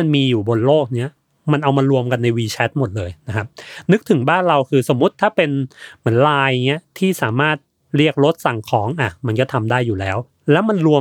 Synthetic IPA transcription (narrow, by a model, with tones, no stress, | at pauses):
a˧nmiː˧juː˨˩bo˧nloː˥˩k̚ni˦˥ɐ | ma˧nʔa˧wmaː˧ɾu˧əmka˧nːa˧jwiː˧t͡ɕʰɛ˦˥t̪̚mo˨˩t̪̚lɤː˧jna˦˥kʰa˦˥p̚nɯ˦˥k̚t̪ʰɯ˩˦ŋbaː˥˩nɾa˧wkʰɯː˧so˨˩˦mːu˦˥t̪ʰːaː˥˩pe˧nmɯ˩˦ənlaː˧jni˦˥ɐt̪ʰiː˥˩saː˩˦maː˥˩t̪̚ | ɾi˥˩ək̚ɾo˦˥t̪̚sa˨˩ŋkʰɔː˩˦ŋʔa˨˩ma˧nkɔː˥˩t̪ʰa˧mdaː˥˩jːuː˨˩lɛː˦˥w | lɛː˦˥wma˧nɾu˧ə